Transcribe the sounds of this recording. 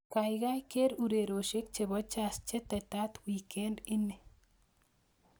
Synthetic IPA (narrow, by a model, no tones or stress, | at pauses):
kajɣajkeɾuɾeɾoʃik̚t͡ʃeβot͡ʃast͡ʃet̪et̪at̪wiːkend̪ini